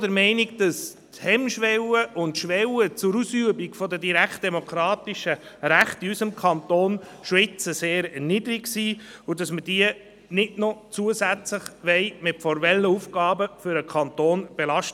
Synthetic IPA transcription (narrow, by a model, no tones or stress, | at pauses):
dəɾmɛɪniɡd̥ɑs | thɛmʃʋɛwəʔʊntʃʋɛwət͡sʊɾusyəbiɡfɔdədiɾækχt̚d̥ɛmokʰɾɑːtiʃəɾæχtiysəmkʰɑnt̪oːnʃʋɪt͡səseːɾɛrnidəɾiɡsiːʊdɑsməd̥iə | nɪdnɔt͡suəsæt͡sləχʋɛɪmɪtfɔɾvɛlːəufɡ̥ɑːbəfʏɾəkʰɑntoːnb̥elɑʃt